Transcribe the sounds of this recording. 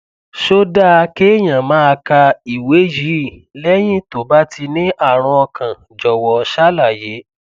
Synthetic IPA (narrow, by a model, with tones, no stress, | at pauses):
ʃo˦da˦˨a˧ke˦˨j̃ã˨mã˨˦a˧ka˧i˨we˨˦ji˨˦˨lɛ˦j̃ĩ˦to˨ba˦tʰi˧nĩ˦ʔa˦˨ɾ̃ɔ̃˧ɔ˧kʰã˨ | d͡ʒɔ˨wɔ˨˧˦ʃa˦la˦˨je˨˦